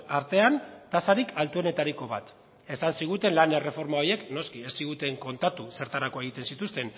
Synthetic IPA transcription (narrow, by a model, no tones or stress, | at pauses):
aɾt̪e̞ant̪asaɾikʰalt̪ue̞ne̞t̪aɾiko̞βat̪ | e̞sansiɣ̞ut̪e̞nlanere̞fo̞ɾmao̞je̞kno̞skie̞sːiɣ̞ut̪e̞ŋko̞nt̪at̪use̞ɾt̪aɾako̞e̞ɣ̞it̪e̞nsit̪ust̪e̞n